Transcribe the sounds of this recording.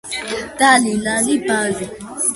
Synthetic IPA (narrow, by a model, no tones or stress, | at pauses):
talinãnipazi